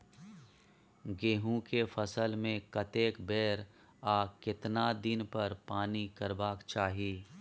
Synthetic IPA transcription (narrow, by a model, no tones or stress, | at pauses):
ɡeːɦũkefʰɐsəlmẽkɐt̪eːkbɛːɾ | aːkɪt̪nad̪ɪnpɐɾpaːnikɐɾbaːkt͡ʃaːɦieː